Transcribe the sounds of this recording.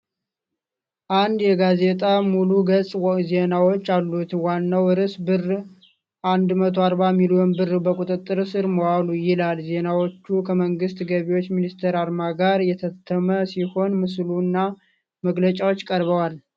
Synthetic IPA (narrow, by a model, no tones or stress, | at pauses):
ʔand̪jɛɡaze̞t̪ʼamuluɡəsʼze̞nawo̞t͡ʃːalːut̪wanːawɨɾɨsbɨr | ʔand̪mət̪ʰoaɾbamilijonbɨrːbəkʼut̪ʼɨt̪ʼːɨɾsɨɾməwalujɪlalze̞nawo̞t͡ʃːukʰəməŋɡɨst̪ɡəβiwo̞t͡ʃːminist̪ʰeɾaɾmaɡaɾjɛt̪ʰət̪ʰːəməsiho̞nmɨslunːa | məɡlət͡ʃʼawo̞t͡ʃːkʼəɾβəwal